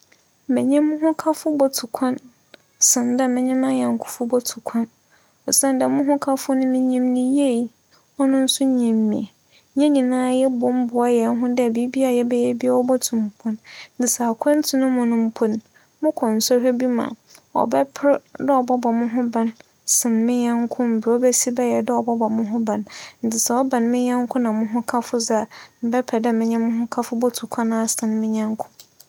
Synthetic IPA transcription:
mɛ̃˨ɲɛ̃˦mʊ̃˦ɦʊ̃˦kʰa˦fʊ˦bɔ˨tʰʊ˨kʷʰã˦n | sɪ̃˨ndɛ˦mɪ̃˨ɲɪ̃˦mã˦jɛ˨ŋ̩˨kʰʊ̥˨fʊ˦bɔ˦tʰʊ̥˨kʷʰã˦n | ɔ˨sã˦ndɛ˨mʊ̃˦ɦʊ̃˦kʰa˦fʊ˦nʊ̃˦mĩ˦ɲĩ˦mnĩ˦je˦˨i˨˦ | ɔ˦nʊ̃˦n̩˦sʊ˦ɲĩ˨mːĩ˨e˨ | ɲɛ̃˦ɲĩ˨nãː˦jɛ˦bʊ˨m̩˦bʊ˨a˦jɛ˨n˦ɦʊ̃˦dɛ˦˨æ˨bi˦bi˦a˨jɛ˦bɛ˦jɛ˦bi˦a˦ɔ˦bɔ˦tʰʊ̃˨m˨pʰʊ̃˨nn̩˦t͡sɪ˨sa˨a˨kʷʰɛ̃˦n˦tʰʊ˨nʊ̃˦mʊ̃˨nʊ̃˦m̩˦pʰʊ˨n | mʊ̃˦kʰɔ̃˨n̩˨sɔ˦hɛ˦bi˦mã̰˨ɔ̰˨bɛ˦pʰɪ˦ɾdɛ˦ɔ˨bɔ˦bɔ˨mʊ̃˦ɦʊ̃˦bã˨n | sɪ̃˨nmɪ̃˦ɲã˦ŋkʰʊ̃˦m̩˨bɪ˨ɔ˦bɛ˦si˦bɛ˦jɛ˨dɛ˦ɔ˨bɔ˦bɔ˨mʊ̃˦ɦʊ̃˦bã˨nn̩˨dɪ˨sa˨ɔ˦bã˨nmɪ̃˦ɲã˦ŋkʰʊ̃˦nã˨mʊ̃˦ɦʊ̃˦kʰa˦fʊ˦za˨m̩˨bɛ˦pʰɛ˨dɛ˦mɪ̃˦ɲɛ̃˦mʊ̃˦ɦʊ̃˦kʰa˦fʊ˦bɔ˦tʰu˨kʷʰa˦nãː˦˨sɪ̃˨n˦mɪ̃˦ɲã˦ŋ˦kʰʊ̥̃˦

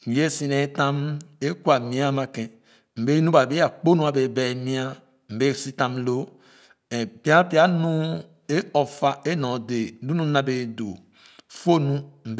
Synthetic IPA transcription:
je˦si˨ne˨˦tã˦me˦ku˦a˨mĩ˦a˦ma˨kɛ̃˨ | m̩˨be˦nu˦ba˨be˦a˨k͡po˦nũ˦a˨be˨bɛ˨mĩ˦a˦ | m̩˨be˦si˦tã˦mlo˦˨ | pi˦a˦pi˦a˦nũ˦ | e˦ɔ˨fa˦e˦nɔ̃˨de˨˦du˦nũ˦nã˨be˨do˨ | fo˦nũ˦m̩˨b

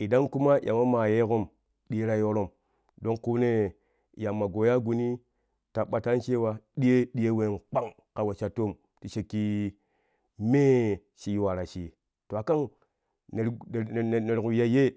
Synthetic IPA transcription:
i˨da˦ŋku˦ma˦˨jʔa̰˨ma˦ma˨je˦ko˦m | ɗi˦ɾa˨jo˦ɾo˦m | do˦ŋku˦ne˦˨ | ja˨mːa˨ɡo˨ja˦ɡu˨ni˦ | ta˨ɓa˨ta˦nt͡ʃe˦wa˨ɗi˦je˦ɗi˦e˦we˨nk͡pa˦ŋ | ka˨we˨t͡ʃa˨to˦˨m | ti˨ʃe˨kːi˦ | me˦ | ʃi˨˦jwa˨ɾa˨ʃi˨ | to˨a˨ka˦ŋ | ne˨ɾne˨ɾku˨ja˦je˦

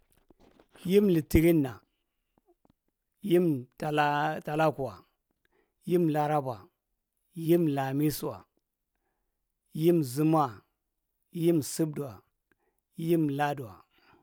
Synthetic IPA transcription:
ji˦mli˨ti˨ɾi˦nːa˨ | ji˦mtta˨la˦ku˨wa̰˨ | ji˦m˨la˦ɾa˦ba˨ | ji˦mla˨mi˦su˨wa̰˨ | ji˦mzu˦m˦a˦˨ | ji˦msi˦b̚du˨wa˨ | ji˦m˨la˦du˨wa̰˨

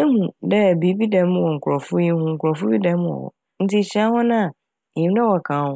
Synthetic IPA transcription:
e˦hũ˨dɛ˦˨bi˨˦bi˦dɛ̃˨m̃˦wɔ˨ŋ̩˨kʰʷʊ˨ɔ˨fʊ˦ji˦hũ˦ŋ̩˨kʰʊ˨ɾɔ˨fʊ˦bi˦dã˦m˦wɔ̰˨wɔ̰˨ | n̩˦ti˦˨t͡ɕi˦a˦hɔ̃˦nã˦a˨ | ɲĩ˨m˦dɛ˦wɔ˨kʰãː˨˦hʊ̃˦

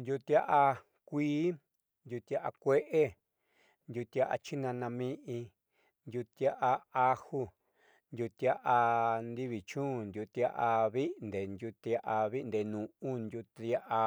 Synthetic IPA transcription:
nd̪ʲju˧t̪ja˦ʔa˧ | kʷiː˦ | nd̪ʲu˧t̪i˧a˦ʔa̰˧kʷe˦ʔe˦ | nd̪ʲju˧t̪a˦˧ʔa̰˧t͡ʃi˦nã˧nã˧mĩ˦ʔĩ˧ | nd̪ʲju˧t̪i˧a˦ʔa˧a˦hu˦˧ | nd̪ʲu˧t̪ja˦ʔa˧nd̪i˦βi˨t͡ʃũː˦˨nd̪ʲju˧t̪a˦˧ʔa˧βi˦nd̪e˨nd̪ʲu˧t̪i˧a˧ʔa˧βi˦˧nd̪e˨nũ˨ũ˦nd̪ju˧t̪i˧a˦ʔa˧

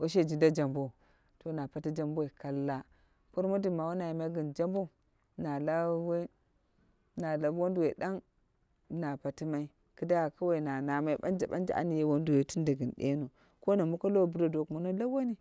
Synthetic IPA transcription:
wo˦ʃ̬e˦d͡ʒi˨nda˦d͡ʒa˨mbo˦ | to˨na˨pa˨ti˦d͡ʒa˦mbwe˨ka˨lːa˦ | po˦ɾmo˦di˦˨ma˨wa˦na˨ji˨ma˦ɡi˨nd͡ʒa˦mbo˦ | na˨la˦we˦ | na˨la˨bwo˦ndu˨we˨da˦ŋ | na˨pa˨ti˦ma˦i˦ | kɨ˦da˦a˨ka˦wa˨i˨na˨na˨ma˦i˦ba˦nd͡ʒa˨ɓa̰˦nd͡ʒa̰˨ʔa̰˦ni˨je˦wo˦n˦du˨we˨tu˦nda˨ɡi˨nɗḛ˦no˨ | ko˦na˨mu˦ka˦lo˦˨bu˨˦ɾa˨do˨kmo˨no˦la˦ba˦ni˦

